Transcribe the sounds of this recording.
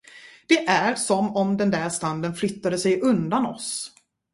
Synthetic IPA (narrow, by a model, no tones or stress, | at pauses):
d̪̥ɛʔæɾsɔmɔmd̪ɛnd̪æɾʂt̪and̪ənflʏt̪ːad̪əsɛjʔɵnd̪anɔ̰s